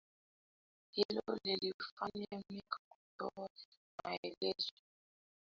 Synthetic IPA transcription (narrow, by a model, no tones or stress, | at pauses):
hilɔlilifaɲamikakutɔ | maelɛzɛ